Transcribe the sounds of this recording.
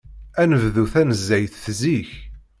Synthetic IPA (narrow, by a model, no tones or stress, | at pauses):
ænəvðuθænəzːæjθθziç